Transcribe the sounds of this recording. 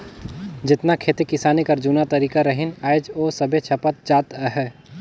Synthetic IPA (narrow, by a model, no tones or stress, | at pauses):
d͡ʒɪt̪nakʰeːt̪ekɪsaːnekɐɾd͡ʒunat̪ɐɾiːkaɾɐɦɪnaːjd͡ʒoːsɐbʱet͡ʃʰɐpət̪̚d͡ʒaːt̪əɦɛ